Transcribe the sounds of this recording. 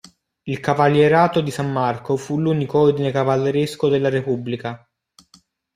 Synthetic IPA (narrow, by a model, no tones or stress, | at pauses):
ilkavaljeɾaːt̪od̪isamːarkofuluːnikoord̪inekavalːeɾeskod̪elːaɾepubːlika